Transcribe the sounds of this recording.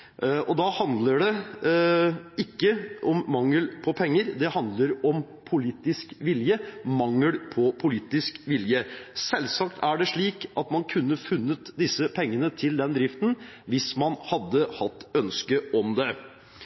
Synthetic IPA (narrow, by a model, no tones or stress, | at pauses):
ʔɔd̪ɑhɑnd̪ləɖɛ | ɪkːəʔɔmːɑŋːəlpʰɔpʰɛŋːəɾd̪ɛhɑnd̪ləɾɔm | pʰʊliːt̪ɪskʋɪljəmɑŋːəlpʰɔpʰʊliːt̪ɪskʋɪljəsɛlsɑkt̪ʰæɖɛʂɭiːkʔɑt̪mɑnkʰʉnːəfʉnːət̪d̪ɪsːəpʰɛŋːənət̪ʰɪld̪ɛnd̪ɾɪft̪n̩ʋɪsmɑnhɑd̪ːəhɑt̪ːœnskəʔɔmd̪ɛ